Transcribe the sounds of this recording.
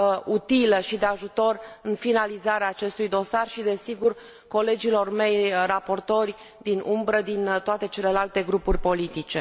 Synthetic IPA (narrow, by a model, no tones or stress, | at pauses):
ut̪iləʃid̪eaʒut̪o̞rɨnfinalizaɾeaːt͡ʃe̞st̪ujd̪o̞sarʃid̪e̞siɡur | ko̞le̞d͡ʒilo̞rme̞jrapo̞rt̪o̞rʲ | d̪inʔumbɾəd̪int̪oat̪e̞t͡ʃe̞le̞lalt̪e̞ɡɾupurʲpo̞lit̪it͡ʃe̞